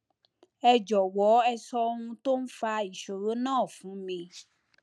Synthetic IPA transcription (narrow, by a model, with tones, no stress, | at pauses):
ɛ˧d͡ʒɔ˨wɔ˨˦ɛ˧sɔ˧wũ˧to˦n̩˦fa˧i˨ʃo˨ɾo˨˦nãː˦˨fũ˨˦mĩ˧